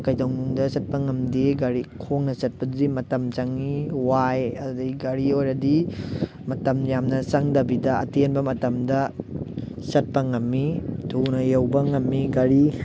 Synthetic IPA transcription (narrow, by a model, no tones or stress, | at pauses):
kɐjdɐwŋnuŋdɐsɐt̚pɐŋɐmdiɡɐɾikʰoŋnɐsɐt̚pɐdimɐtɐmt͡ʃɐŋiwajɐdudɐɡɐɾiojɾɐdi | mɐtɐmjamnɐsɐŋdɐbidɐɐ̰tenbɐmɐtɐmdɐ | sɐt̚pɐŋɐmːitʰunɐjɐwbɐŋɐmːiɡɐɾi